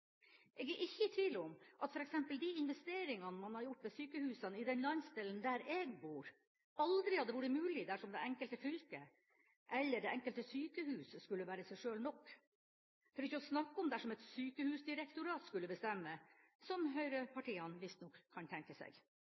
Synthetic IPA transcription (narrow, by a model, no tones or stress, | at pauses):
ʔɛɡjiːʔɪçːəʈ̪ʰɪlɔmʔɑt̪fɔɾɛksɛmpəld̪ɪɪnʋɛst̪eːɾɪŋɑnəmɑnhɑɾjʊʈ̚ːmɛsyːkəhʉːsənɪd̪ɛnlɑnsd̪ɛlːənd̪æɾɛːɡbuːɾ | ɑld̪ɾɪhɑd̪ːəʋuːɾəmʉːlɪd̪æʂɔmd̪ɛɛŋkəlt̪əfʏlkə | ʔɛlːəɖɛʔɛŋkəlt̪əsyːkəhʉːsskʉlːəʋæːɾəsæɪʂøːlnɔkː | fʰɔɾɪçːəɔsnɑkːəɔmd̪æʂɔmɛt̪syːkəhʉːsd̪ɪɾɛkt̪ʊɾɑːt̪skʉlːəbəst̪ɛmːə | sɔmɦœʏɾəpʰɑʈiːɑnʋɪst̪nɔkʰːɑnt̪ʰɛŋkəsɛ̰ɡ